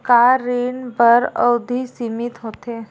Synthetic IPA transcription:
kaɾinbəɾə̰wd̪ʱisimit̪ɦoːt̪eː

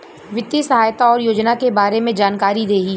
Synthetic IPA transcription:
ʋɪt̪ːjisɐɦaːjt̪aɔːɾjoːd͡ʒnakebaːɾemẽd͡ʒaːnkaːɾid̪eːɡiː

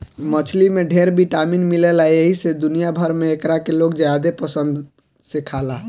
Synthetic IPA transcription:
mət͡ʃʰlimeɖʱeɾbʱiʈaminmilelaeɦised̪unijabʱəɾmeːkɾakelokd͡ʒjad̪epəsə̃nd̪ | sekʰala

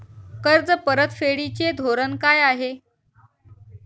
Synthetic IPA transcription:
kəɾd͡zəpəɾət̪feɽit͡ɕed̪ʱoɾənkajaɦe

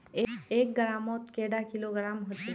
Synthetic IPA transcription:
eeːk̚ɡɾaːmɔːt̪keːɖakɪloɡɾaːmɦot͡ʃe

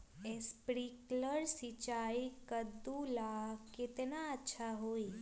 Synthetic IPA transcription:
espɾikləɾsit͡ʃaikəd̪ulaket̪enaətːʃʰaɦoi

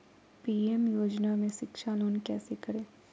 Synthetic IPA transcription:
piːemjoːd͡ʒnamẽʃɪkʃaloːnkɛːsekɐɾẽː

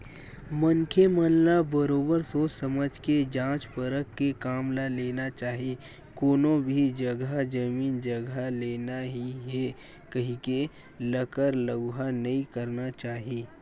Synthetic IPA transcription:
mɐŋkʰeməllabəɾoːbəɾsosɐməd͡ʒʱked͡ʒãːt͡ʃpəɾəkːekaːmlaleːnat͡ʃaːɦie | koːnõbʱid͡ʒɐɡad͡ʒɐmiːnd͡ʒɐɡaleːnaɦiɦɛ | kɐɦĩke | ləkəɾləɡɦanɐɦĩkɐɾnat͡ʃaːɦieː

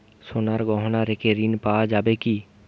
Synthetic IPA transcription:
sonaɾɡɔɦnaɾekeɾinpad͡ʒaːbeki

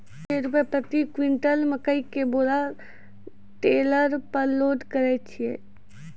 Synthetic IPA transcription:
eɾupepɾət̪ikwɪ̃ɳʈəlməkəikeboːla | ʈeːləɾpəɾloːd̪kəɾɛt͡ʃʰie

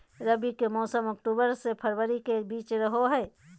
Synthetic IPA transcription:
ɾəbikemɔːsəmɔk̚ʈuːbəɾsepʰəɾwəɾikebiːt͡ʃɾəɦoɦɛː

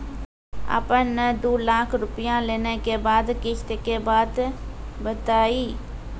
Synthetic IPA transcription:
ə̰pənːəd̪oːlaːkʰɾʊpijãleːnekebaːd̪kɪt͡ʃt̪ekebaːd̪ | bət̪aːiː

